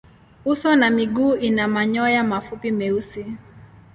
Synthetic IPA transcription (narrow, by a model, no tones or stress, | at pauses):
usɔnamiɡuːinamaɲɔjamafupimɛusi